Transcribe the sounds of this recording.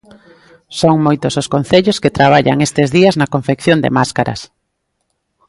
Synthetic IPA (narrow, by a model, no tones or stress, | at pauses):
soŋmojt̪ʊsʊskon̟θeʎosket̪ɾaβ̞aʎa̰ŋest̪ezðiɐznɐkoɱfekθjond̪ḛmaskaɾɐ̰s